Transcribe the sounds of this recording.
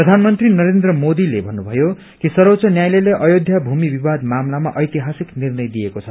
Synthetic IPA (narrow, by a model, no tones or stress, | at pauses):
prʌd̪ʱanmʌnt̪rinʌɾend̪rʌmod̪ilebʱʌnːubʱʌjo | kisʌɾot͡sʌnjajleleʔʌjod̪ʱjʌbʱumibibad̪mamlama̰ʔʌjt̪iɦasiknirnʌjd̪ijekot͡sʰʌ